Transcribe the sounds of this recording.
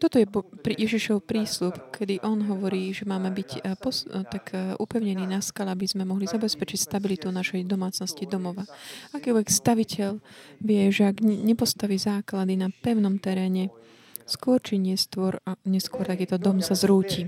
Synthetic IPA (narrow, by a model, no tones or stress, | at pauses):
t̪ɔt̪ɔjɛbpɾijɛʒiʃɔʊpɾiːslupkʰɛd̪iʔɔnɦɔʋɔɾiːʒɛmaːmɛbicpɔt̪akʰʔupɛʊɲɛniːnaskalɛabizmɛmɔɦlizabɛspɛt͡ʃicst̪abilit̪unaʃɛjd̪ɔmaːt͡snɔscid̪ɔmɔʋaakiːlʋɛkst̪aʋicɛʎʋɪɛʒɛaɡɲɛpɔst̪aʋiːzaːklad̪inapɛʊnɔmt̪ɛɾɛːɲɛ | skʊɔɾt͡ʃiɲɪɛst̪ʊɔɾaɲɛskʊɔɾt̪akiːt̪ɔd̪ɔmsazɾuːcʰi